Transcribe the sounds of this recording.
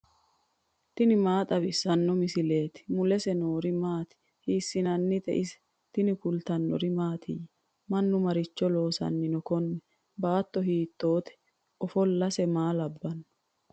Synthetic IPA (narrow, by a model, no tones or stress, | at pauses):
t̪ɪnɪmaːt̪ʼɐβɪsːɐnːɔmɪsɪle̞ːt̪ɪ̥mʊlɛsɛno̞ːɾɪmaːt̪ɪ̥ | hiːsːɪnɐnːɪd̪ɛ̰ʔɪsɛ̥ | t̪ɪnɪkʊlt̪ɐnːɔ̰ɾɪmaːt̪ʰɪ̰j | mɐnːʊmɐɾɪt͡ʃːɔlo̞ːsɐ̰nːɪnɔkɔnːɛ | baːt̪ːɔɦiːt̪ːoːt̪ɛ̥ | ʔɔfɔlːɐsɛmaːlɐbːɐnːɔ